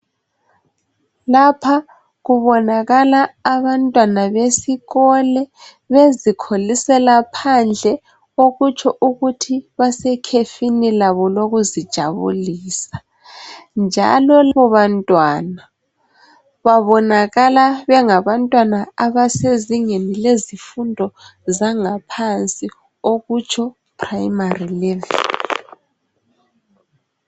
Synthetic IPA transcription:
lapʰa | ɣuβɔnaɣalaːβantʼwanaβesiɣɔlɛ | βezikʰolisɛlapʰand͡ɮʱɛ | oɣut͡ʃʰɔʔuɣutʰiβasɛkʰefinilaβɔloɣuzid̥ʒ̥ʱaβṵliːsḁ | nd͡ʒʱa̰lɔlβɔβantʼwana | βaβɔnaɣalaβɛŋaβantʼwanaaβaseziŋenilezifundʱɔzaŋapʰant͡sʼi | oɣut͡ʃʰɔ | pʰʼrajimarilɛvḭ

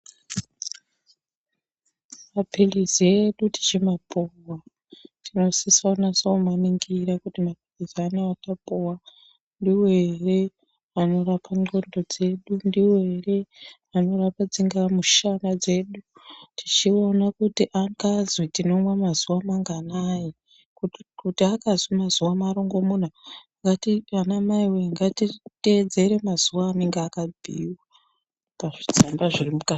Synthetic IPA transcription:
mapilizieɗuti̥t͡ʃimapowa | tino̞sisaonasomaniŋɡiɾakutimapilizianeatapowa | ndiwoere | ano̞rapaɲo̞ndo̞d͡ze̞ɗundiweere | ano̞rapad͡ziŋɡamuʃanad͡ze̞ːɗutʰit͡ʃio̞nakutiʔakazwitino̞mwamazuwamaŋɡanaji | kukutiakazwimazuwamaɾoŋɡo̞mun̤a | ŋɡatianamaiweŋɡatite̞d͡ze̞ɾe̞maz̥uwaːneŋɡaːkabʱiːwa | paʐid͡zambaʐirimuka

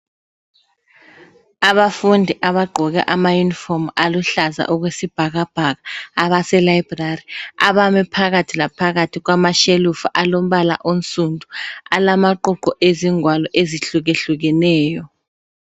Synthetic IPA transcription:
aβafundʱiʔaβaɡ͡ǃʱɔɣɛ̰ʔamajunifɔmaluɬaza̰ʔuɣwesib̥ʱaɣab̥ʱaɣaːβasɛlajib̥rariaβamɛpʰaɣatʰilapʰaɣatʰiɣwamaʃelufuʔalom̩ɓala̰ʔon̩t͡sʼundʱualamaǃuǃɔʔeziŋwalɔʔeziɬuɣeɬuɣ̬ɛnɛːjɔ

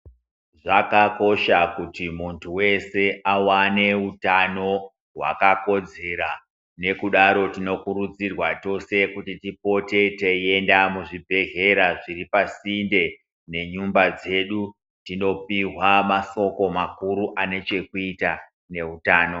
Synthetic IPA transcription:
ʐakako̞ʃakutimuntʰuwe̞se̞ʔawane̞utano̞ | rwa̰kako̞d͡ze̞ɾa | ne̞kuɗaɾo̞tino̞kuɾud͡zirwato̞se̞kutitipo̞te̞teje̞ndamuʐibʱe̞ɣe̞ɾaʐiripasinde̞ | ne̞ɲumbad͡ze̞ɗu | tino̞piɦwamaso̞ko̞makuɾuʔane̞t͡ʃe̞kuita | ne̞utaːno̞

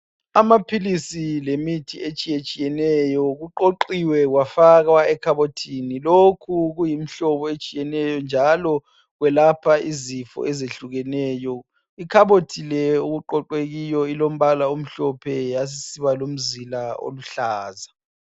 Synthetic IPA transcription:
amapʰilisilemitʰiet͡ʃʼijet͡ʃʼijɛnɛjɔɣuǃoǃiwɛɣwafaɣwaɛkʰaβotʰinilokʰuɣujimiɬɔβɔet͡ʃʼijɛnɛjɔnd͡ʒʱalɔ | ɣwɛlapʰaizifɔ̰ʔɛzeɬuɣɛnɛːjɔ | ikʰaβotʰilɛuɣuǃɔǃweɣijɔilom̩βalaom̩ɬɔpʰɛjas̬isiβalom̩zilao̰luɬaːza

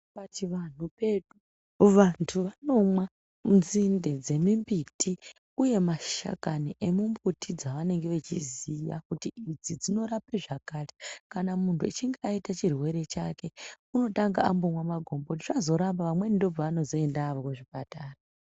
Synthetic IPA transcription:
patiʋan̤upeɗu | ʋantʰuʋano̞mwa | munzinde̞d͡ze̞mimbitʰi | uje̞maʃa̰kaniʔemumbutʰid͡zaʋane̞ŋɡeʋet͡ʃizija̰kutiid͡zid͡zino̞ɾape̞ʐakaːrekanamuntʰuit͡ʃiŋɡeaitat͡ʃirwe̞ɾe̞t͡ʃake̞ | uno̞taŋɡaambomwamaɡʱo̞mbout̬iʐazo̞ɾambaʋamwenindob͡vaʋano̞zo̞e̞ndaːʋokuʐipataːra

